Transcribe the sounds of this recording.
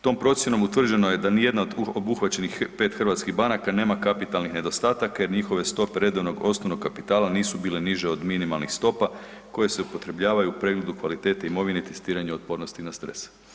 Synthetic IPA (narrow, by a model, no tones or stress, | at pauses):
t̪o̞mpɾo̞t̪sje̞no̞mut̪ʋr̩d͡ʑe̞no̞jed̪anije̞d̪naod̪obuxʋat͡ɕe̞nixpe̞ːt̪xr̩ʋat̪skiɣbanakane̞ːmakapit̪alnixne̞d̪o̞st̪aːt̪akaje̞ɾɲixo̞ʋe̞st̪o̞pe̞ɾe̞d̪o̞ʋno̞ɡo̞snoʋno̞kkːapit̪aːlaniːsubiːle̞niʒe̞o̞d̪minimalˠnixst̪o̞pa | ko̞je̞se̞upo̞t̪ɾe̞bʎaːʋajuupɾe̞ɡle̞d̪ukʋalit̪e̞t̪aimo̞ʋinet̪e̞st̪iːɾaɲeo̞t̪̚po̞ɾno̞st̪inast̪ɾḛs